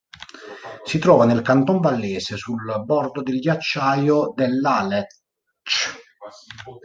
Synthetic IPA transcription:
sit̪ɾɔːvanelkant̪ɔɱvalːɛːsesulbɔrd̪od̪elɟat͡ʃːaːjod̪elːalɛ | t͡ʃ

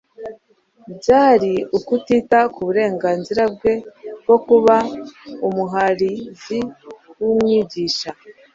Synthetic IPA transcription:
bɟaːɾiukutitakuβuɾe̞ːŋɡaːnziɾab̚ɡe̞ɡ̥o̞kuβaumuɦaɾiziwumŋiːɟiːʃa

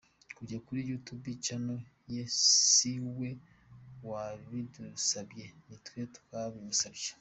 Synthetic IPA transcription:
kuɟakuɾijutubit͡ʃano | jesiwe̞ | waβidusabje̞nitwetu̥kaβiβusabje

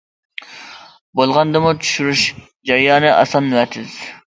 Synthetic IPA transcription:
bolˠʁɑnd̪ɨmut͡ʃʰy̥ʃyɾuʃ | d͡ʒɑɾijɑːnɨʔɑ̰sɑnːwɛt̪ʰɪz̥

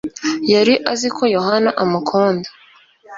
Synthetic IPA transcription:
jaɾiʔazikʰo̞jo̞ɦanaʔamukʰoːndo̥

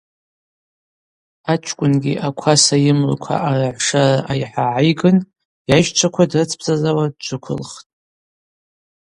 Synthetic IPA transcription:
at͡ʃʷʰkʷʼʊnɡʲḭʔakʷʰasajɪmlkʷʰa̰ʔaraʕʷʂaraʔajħaʕajɡɨn | jajʃt͡ʃʷʰakʷʰadrɨt͡sʰpʰzʼazawadd͡ʒʷʰʼʊkʷʰʊ̰lχtʼ

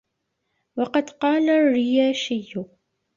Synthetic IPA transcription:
wɑqɑd̪qɑːlarːɪjaːʃɪjːʊ

